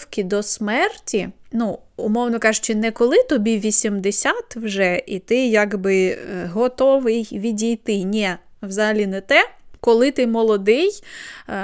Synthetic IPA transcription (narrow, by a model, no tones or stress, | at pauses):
wkʲid̪ɔsmɛrtʲinu | ʊmɔwnɔkɑʒʊt͡ʃɪnɛkɔlˠɪt̪ɔbʲiʋʲisʲimd̪esʲat̪wʒɛʔit̪ɪjaɡbɪɦɔt̪ɔʋɪjʋʲidʲijt̪ɪnʲɛ | wzɐɦɐlʲinɛt̪ɛkɔlˠɪt̪ɪmɔlˠɔd̪ɪj